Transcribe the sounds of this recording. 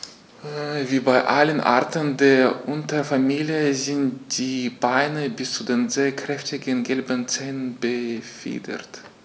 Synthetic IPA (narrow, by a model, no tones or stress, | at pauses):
viːbaɪʔalənʔa̰ɐtʰəndeːɐʔʊntɐfamiːljəzɪntd̥iːbaɪnəbɪst͡sudeːnzeːɐkʁ̥ɛftɪɡənɡɛlbənt͡sɛːnənbəfḭːdɐ̰t